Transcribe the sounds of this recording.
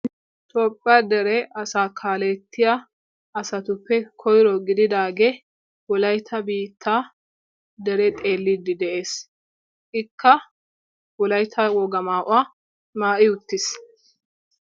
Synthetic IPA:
t̪ɔːpʼːɐd̪ɛɾɛʔɐsaːkʰaːlɛt̪ːɪja | ʔɐsɐt̪ʊpːɛkʰɔjɾɔɡɪd̪ɪd̪aːɡe | wɔlɐjt̪ʰːɐbiːt̪ʰːa | d̪ɛɾɛt̪ʼe̞ːlːɪd̪ːɪd̪ɛʔe̞ːs | ʔɪkːɐ | wɔlɐjt̪ʰɐwɔɡɐmaːʔʊaː | maːʔɪʊt̪ːɪs

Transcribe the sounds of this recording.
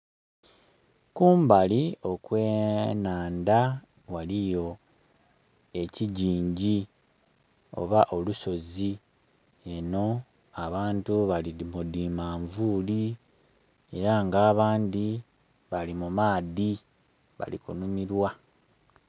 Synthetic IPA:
kuːmbalio̞kwe̞ːnaːnda | walijo̞ | e̞ciɟiːɲɟi | o̞̰βaʔo̞luso̞zi | e̞no̞ | aβaːntuβalimudiːmaːɱvuːli | e̞ɾaŋɡaːβaːnd̪i | βalimumaːði | βa̰lḭkṵnumiɾwa

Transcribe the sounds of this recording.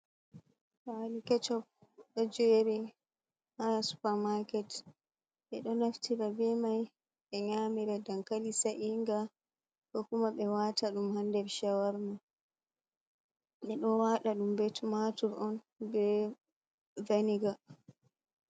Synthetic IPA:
halikɛt͡ʃɔpɛd͡ʒɔeɾɛ | hanasu̥paɾmakɛt | ɓɛɗɔnaftʰiɾabɛmaj | ɓɛɲamiɾadaŋkalisaʔiŋɡa | kɔkumaɓɛwataɗumhandɛɾʃawaɾma | ɓɛɗɔwaɗaɗumbɛtumatuɾɔn | bɛ | vaniɡa

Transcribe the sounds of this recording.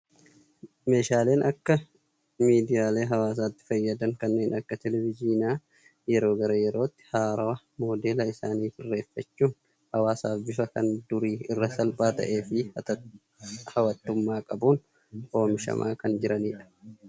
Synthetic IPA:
me̞ːʃaːle̞ːnʔɐkːɐ | miːd̪ɪjaːle̞ːɦɐwaːs̬aːt̪ːɪ̥fɐjːɐd̪ɐŋkɐnːe̞ːnɐkːɐt̪ɛlɛvɪd͡ʒiːnaː | jɛɾo̞ːɡɐɾɐjɛɾo̞ːt̪ːɪ̥haːɾɐwɐ | mo̞ːd̪e̞ːlɐɪsaːniːfɪrːe̞ːfːɐt͡ʃːuːn | hɐwaːsaːbɪfɐkɐ̰nd̪ʊɾiːɪrːɐsɐlpʼaːt̪ɐ̰ʔe̞ːfɪ | hɐwɐt̪ːʊmːaːkʼɐbuːn | ʔo̞ːmɪʃɐ̰mʔa̰ːkɐnd͡ʒɪɾɐniːᶑɐ̥

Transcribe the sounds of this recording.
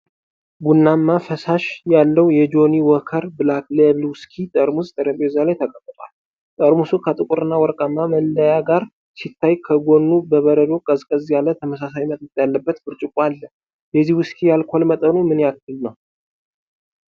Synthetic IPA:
ɡunːamːafəsaʃjalːəwjɛd͡ʒo̞niwɔkʰəɾbɨlakleβlwʊskʰit̪ʼəɾmust̪ʼəɾəpʼezalajt̪ʰəkʼət̪ʼːɨt̪ʼal | t̪ʼəɾmusukʰət̪ʼɨkʼuɾɨnːawɔɾkʼamːaməlːəjaɡaɾ | sit̪ʰːajkʰəɡo̞nːubəβəɾəd̪o̞kʼəzkʼəzjalət̪ʰəməsasajimət̪ʼt̪ʼjalːəbːət̪bɨɾt͡ʃʼɪkʼwalːə | jɛzihwɨskʰijalkʰolmət̪ʼənumɨnjak̚ːɨlnəw

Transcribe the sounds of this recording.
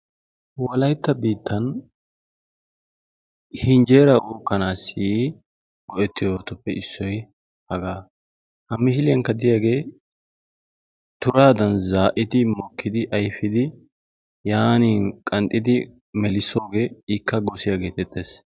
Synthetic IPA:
wɐlɐjt̪ːɐbiːt̪ːɐn | hɪnd͡ʒe̞ːɾɐʔuːkːɐnaːsi | ɡɔʔɛt̪ːɪjoot̪ɔpːɛʔɪsːɔj | hɐɡaː | hɐmːɪʃɪlɪjɐŋkːɐd̪ɪjaːɡe̞ː | t̪ʊɾaːd̪ɐnzaːʔɪt̪ɪmɔkːɪd̪ɪʔɐjfɪd̪ɪ | jaːniːkʼɐnt̪ʼːɪd̪ɪ | mɛlɪsoːɡeːɪkːɐɡɔsɪjaːɡe̞ːt̪ɛt̪ːeːs

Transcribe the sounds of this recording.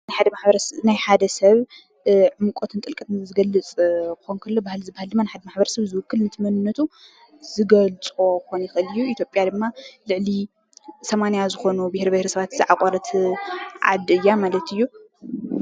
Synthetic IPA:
najħad̪ɐmaħbɐɾɐnajħad̪ɐsɐβ | ʕɨmkʼot̪ʰɨnt̪ʼɨlkʼɐt̪ʰɨzɨɡɐlːɨt͡sʼkɨxonkʰɐlːobahlzɨbahɨld̪ɨmːanajħad̪ɐmaħbɐɾɐsɐβzɨwʊkʰːɨlnɨt̪ʰɨmɐnɨnːɐt̪ʰu | zɨɡɐlt͡sʼo̞kʰonjɪxɨlɨjːuit̪jopʼjad̪ɨmːalɨʕli | sɐmanijazɨxo̞nubɨhɾbɐhɾisɐβat̪zɨʕakʼɐɾɐt̪ʰʕa̰d̪ɨjːamalɐt̪ɨjːu

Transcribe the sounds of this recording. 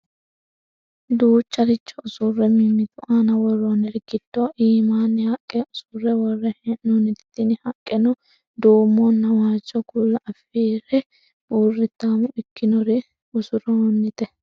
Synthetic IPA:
d̪uːt͡ʃʼːɐɾɪt͡ʃːɐʊsʊrːɛmɪmːɪt̪ʊʔaːnɐwɔrːoːnɛɾɡɪd̪ːoʔiːmaːnːɪhɐkʼːɛʔʊsʊrːɛwɔrːɛhɛʔnɔnːɪt̪ɪ̥t̪ːɪnɪhɐkʼːɛnɔ | d̪oːmːɔnːɐwaːt͡ʃːɔɡulːɐʔɐfiːɾɛ | buːrːɪt̪ːaːmɔʔɪkːɪnɔɾɪ | ʊsʊɾɔnːɪt̪ɛ

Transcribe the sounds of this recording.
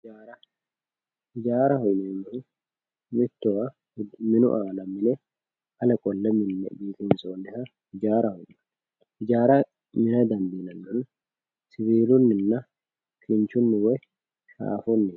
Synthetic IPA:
d͡ʒaːɾɐ | ɪd͡ʒaːɾɐhɔjneːmːɪhʊ | mɪt̪ːɔwɐ | mɪnʊ̰ʔaːlɐmːɪnɛ | ɐlɐkʼɔlːɛmɪnːɛ̰biːt̪ɪnsoːnd̪ɛhɐ | ɪd͡ʒaːɾɐhɔjnɐ̥ | ɪd͡ʒaːɾɐ | mɪnɐd̪ɐmbinɐnɡɐn | sɪβiːlʊnːɪnːɐ | kʰɪnt͡ʃʊnːɪwɛ | ʃa̰ːfɔnːɪ

